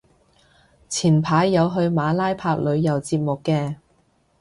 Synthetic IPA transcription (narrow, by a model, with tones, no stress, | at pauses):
t͡sʰiː˨˩npʰaː˨˧˥jːɐ˨˧wɦɵ˧ɥmaː˨˧˥laː˥jpʰaː˧k̚lɵ˨˧ɥːɐ˨˩wt͡siː˧p̚mʊ˨kːɛː˧